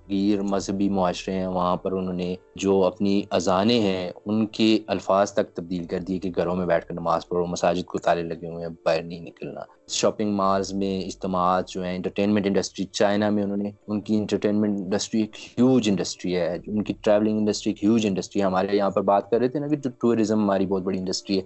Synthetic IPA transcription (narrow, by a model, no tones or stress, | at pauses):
ɡiːɾmɐzɦəbimʊɦaːʃɾeɦɛ̃ʋɐɦãpɐɾʊnɦõːned͡ʒoːɐpniɐzaːneɦɛ̃ʊnkeɐlfaːzt̪ɐk̚t̪ɐb̚d̪iːlkɐɾd̪iekeɡʱɐɾõmẽbɛːʈʰkɐɾnɐmaːzpɐɾmɐsaːd͡ʒɪd̪̚kot̪aːlelɐɡeɦuẽbaːɾnɐɦĩnɪkəlna̰ː | ʃɔːpɪ̃ŋɡmaːɾzmẽɪd͡ʒt̪əmaːt̪d͡ʒoːɦɛ̃ɪ̃ɳʈəɾʈẽːnmɛ̃ɳʈɪ̃ɳɖəsʈɾit͡ʃaːɪnamẽʊnɦõːneʊnkiɪ̃ɳʈəɾʈeːnmɛ̃ɳʈɪ̃ɳɖəsʈɾieːkhjuːd͡ʒɪ̃ɳɖəsʈɾiɦɛːʊnkiʈɾɛːʋlɪ̃ŋɡɪ̃ɳɖəsʈɾieːkɦjuːd͡ʒɪ̃ɳɖəsʈɾiɛɦɐmaːɾejɐɦãpɐɾbaːt̪̚kɐɾːɛɦet̪eɦɛnaked͡ʒoʈuːɾɪzə̃mɦɐmaːɾibɔːt̪̚bɐɽiɪ̃ɳɖəsʈɾiɦɛː